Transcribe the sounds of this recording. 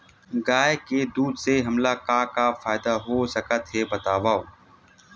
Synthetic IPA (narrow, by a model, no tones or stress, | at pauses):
ɡaːeked̪uːd̪seɦɐmlakaːkafaːɪd̪aɦosəkət̪ɦebət̪aːʋaːo